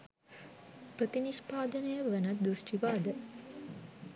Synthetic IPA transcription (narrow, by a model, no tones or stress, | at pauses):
prət̪iniʃpaːd̪ənəjəʋænət̪̚d̪usʈiʋaːd̪ə